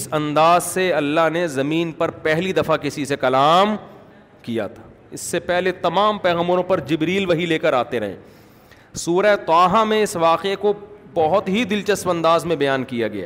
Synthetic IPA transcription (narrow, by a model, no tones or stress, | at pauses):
ɪsɐ̃nd̪aːzseɐlːaɦnezɐmiːnpɐɾpɛɦlid̪ɐfakɪsisekɐlaːm | kija̰t̪ʰḁː | ɪsːepɛɦlet̪ɐmaːmpɛːɣə̃mɾõpɐɾd͡ʒɪbɾiːlʋɐɦileːkɐɾaːt̪eɾɐ̰ɦḛ̃ː | suːɾət̪aːɦãmẽɪsʋaːqeekobɐɦʊt̪ɦid̪ɪlt͡ʃɐspɐ̃nd̪aːzmẽbɐjaːnkijaɡɐja̰ː